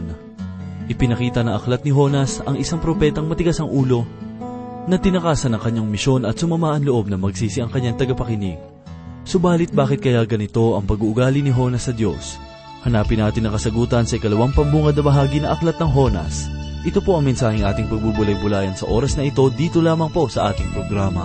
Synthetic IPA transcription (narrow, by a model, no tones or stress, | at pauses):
ʔɪpɪnɐkiːt̪ɐnɐŋʔɐklɐt̪̚nɪɦo̞nɐsɐŋʔɪsaŋpɾo̞pɛːt̪ɐŋmɐt̪ɪɡasɐŋʔuːlo̞ | nɐt̪ɪnɐkaːsɐnɐŋkɐɲːaŋmɪʃo̞nɐt̪̚sʊmɐmaːʔɐnloʔo̞b̚nɐmɐɡsiːsɪʔɐŋkɐɲːaŋt̪ɐɡɐpɐkɪnḭɡ̚ | sobaːlɪt̪̚baːkɪt̪̚kɐjaɡɐnɪt̪o̞ʔɐŋpɐɡuːʔʊɡaːlɪnɪɦo̞nɐsːɐd̪jo̞s | hɐnaːpɪnːaːt̪ɪnːɐŋkɐsɐɡuːt̪ɐnsɐʔɪkɐlɐwaŋpɐmbuːŋɐd̪nɐbɐɦaːɡinɐʔɐklɐt̪̚nɐŋɦo̞nɐ̰sʔɪt̪o̞po̞ʔɐŋmɛnsaːhɪŋʔa̰ːt̪ɪŋpɐɡ̚buɡbʊlɐjbʊlaːjɐnsɐʔo̞ːɾɐsnɐʔɪt̪o̞d̪iːt̪o̞laːmɐŋpo̞sɐʔaːt̪ɪŋpɾo̞ɡɾaːmɐ̰